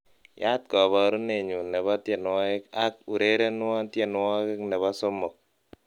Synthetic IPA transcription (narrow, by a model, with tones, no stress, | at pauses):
ja˦t̚kɔ˨βɔ˨˦ɾu˦ne˨ɲu˨ne˨ba˦tje˨nwɔ˦ke˦ka˦k̚u˨ɾe˦ɾe˦n˦ɔ˦tje˨n˦wɔ˦ke˦kne˨ba˦so˦mo˨k̚